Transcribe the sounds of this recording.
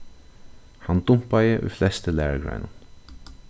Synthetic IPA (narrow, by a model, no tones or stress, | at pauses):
hand̪ʊmpajəʔṵflɛst̪əlæːɹɡɹa̰ɪnʊn